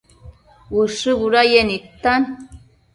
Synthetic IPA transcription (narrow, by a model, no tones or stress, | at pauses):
wɨʂɨβuɾajenit̪ːan